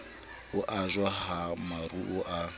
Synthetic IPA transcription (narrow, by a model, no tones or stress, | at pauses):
ʊʔazwaɦamaruʔʊʔa